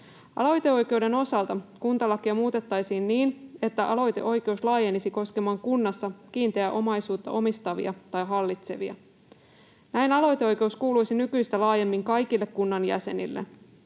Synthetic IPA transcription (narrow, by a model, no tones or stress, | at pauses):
ʔɑ̰lo̞jt̪e̞o̞jk̟e̞ude̞no̞sɑlt̪ɑkunt̪ɑlɑkːiɑmuːt̪e̞t̪ːɑjsiːnːiːne̞t̪ːæʔɑlo̞jt̪e̞̰ʔo̞jke̞uslɑːje̞nisiko̞ske̞mɑːŋkunːɑsːɑk̟iːnt̪eæʔo̞mɑjsuːt̪ːɑ̰ʔo̞mist̪ɑʋḭɑt̪ɑjɦɑlːit̪se̞ʋiɑ̰ | næjnɑlo̞jt̪eo̞jk̟e̞uskuːlujsinykyjst̪ælɑːje̞mːiŋkɑjk̟ilːekːunːɑnjæ̰se̞̰nḭlːe